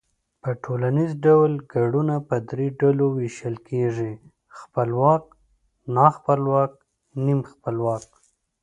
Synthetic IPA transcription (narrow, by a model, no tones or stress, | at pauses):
pəʈʰolanizɖawlɡaɖunapəd̪ɾeɖalowiʃəlkʰeʐi | xpəlwɑk̚ | nɑxpəlwɑk̚ | nimxpəlwɑk̚